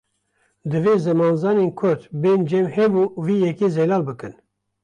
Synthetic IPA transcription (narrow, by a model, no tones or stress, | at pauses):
d̪ɨveːzɨmɑːnzɑːnenkʰʊɾt̪beːnd͡ʒɛmhɛbuːviːjɛkeːzɛlɑːlbɨkɨn